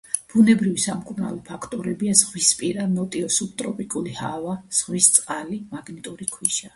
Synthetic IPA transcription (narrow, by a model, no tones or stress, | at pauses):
b̥unɛbɾivisamkʼuɾna̰lɔpʰakʰt̪ʼɔɾɛbiazʁwispʼiɾamɔt̪ʼiɔsup̚t̪ʼɾɔpʼikʼulihavaz̥ʁwist̪sʼqʼalimaɡnit̪ʼuɾikʰwiʃa